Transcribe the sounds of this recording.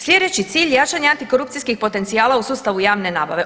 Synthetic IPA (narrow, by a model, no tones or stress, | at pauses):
slʲe̞d̪e̞t͡ɕit̪siːʎjat͡ʃaɲaant̪iko̞ɾup̚t̪siskixpo̞t̪e̞nt̪sijaːlausuːst̪aʋujaːʋne̞naːba̰ʋe̞